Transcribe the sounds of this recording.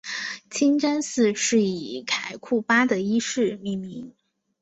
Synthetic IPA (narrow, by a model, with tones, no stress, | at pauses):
t͡ɕʰi˥nʈ͡ʂə˥nsɹ̩˥˧ʂɻ̩˥˩i˨˩kʰa˨˩ɪkʰu˥˩pa˥d̪ə˨i˥ʂɻ̩˥˧mi˥˩nmi˧˥ŋ